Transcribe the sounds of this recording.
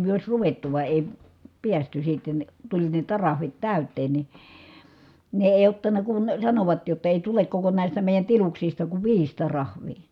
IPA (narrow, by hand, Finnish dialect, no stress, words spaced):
myø oˑi̯s ruʋetːu ʋɑˑi̯ eˑi piæsty sitːen tulʲ ne tɑrɑhʋit tæˑytˑeːn ni ne eˑi̯ otːɑnˑɑ kun sɑnoʋɑt jotːɑ eˑi tulek koko næˑistæ meˑi̯jæn tiluksistɑ kuʋ ʋiːs tɑrɑhʋˑiː